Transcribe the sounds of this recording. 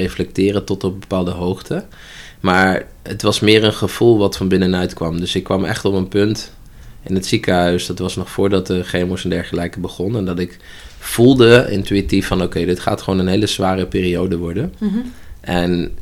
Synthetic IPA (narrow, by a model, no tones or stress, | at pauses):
ejflɛk̚tɪːrətɔtɔp̚bəpaːlˠdəɦowχtʰə | maːɹ | ətʋɑsmɪːɹənχəv̥ulˠʋɑtfɑnbɪnənœɥtkʋɑmdɵsɪkːʋɑmɛ̰χtɔpənpɵnt | ɪnətsikəɦœɥsdɑtʋɑsnɔχfʊːɹdɑt̚dəχejmʊsɛndɛɹχəlɛjkəbəχɔnɛndɑtɪkv̥ulˠdəɪ̰ntyitifːɑnowkejdɪtχaːtχəʋoːnənɦejləzʋaːrəpɪːriowdəʋɔɹdən | ʔɛn